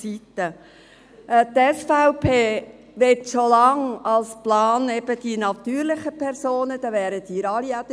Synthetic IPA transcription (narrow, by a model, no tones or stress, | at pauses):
sit̪ːə | t̪ɛsfaʊpʰeː | ʋetʃolɑŋɑlsplɑːnɛb̥əd̪̥inɑt̪yːɾlɪχəpʰɛɾsoːnəd̪ɑʋæːɾət̪iːɾɑliædə